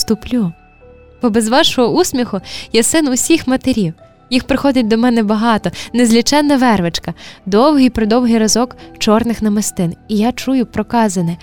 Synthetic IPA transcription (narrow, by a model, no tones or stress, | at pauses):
st̪ʊplʲu | bɔbɛzʋɑʃɔɦɔusʲmʲixʊjasɪnʊsʲixmɐt̪eɾʲiw | jixpɾɪxɔd̪ʲɐt̚ʲd̪ɔmɛnɛbɐɦɑt̪ɔnezʲlʲit͡ʃɛnːɐʋɛrʋet͡ʃkɐd̪ɔwɦijpɾɔd̪ɔwɦɪjɾɐzɔkt͡ʃɔrnɪxnɐmest̪ɪnijat͡ʃujʊpɾɔkɑzɐnɪ